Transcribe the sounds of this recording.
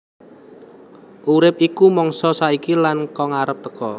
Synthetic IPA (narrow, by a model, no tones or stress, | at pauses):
ʔuɾɪp̚ikumɔŋsɔsaikilankɔŋaɾəp̚t̪əkɔ